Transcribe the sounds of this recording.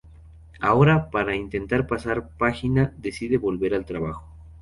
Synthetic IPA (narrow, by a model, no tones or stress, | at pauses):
ao̞ɾapaɾaint̪e̞nt̪aɾpasaɾpaxinaðe̞siðe̞βo̞lβe̞ɾalt̪ɾaβaxo̥